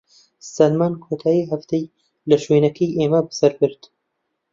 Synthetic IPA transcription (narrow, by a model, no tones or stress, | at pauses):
sɐlmaːnkʰoːt̪ʰaːjiːɦɐft̪ej | lɐʃweːnɐkʰijʔeːmɐbɨsɐɾbɨɾt̪